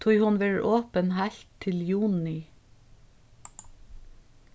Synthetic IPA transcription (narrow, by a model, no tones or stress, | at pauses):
t̪ʰuːhʊnʋeːɹʔoːpənhæɬt̪ʰːɪljuːnɪ